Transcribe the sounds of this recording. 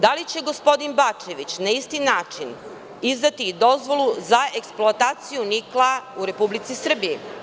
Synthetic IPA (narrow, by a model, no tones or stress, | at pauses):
d̪alit͡ɕe̞ɡo̞spo̞d̪inbat͡ʃe̞ʋit͡ɕnaist̪inaːt͡ʃin | izd̪at̪iːd̪o̞zʋo̞lˠuzae̞ksploat̪aːt̪sijuniklˠauɾe̞publit̪sisr̩biji